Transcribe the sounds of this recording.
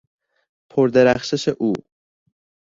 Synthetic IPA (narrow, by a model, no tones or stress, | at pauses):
pʰoɾd̪eɾæxʃeʃeʔuː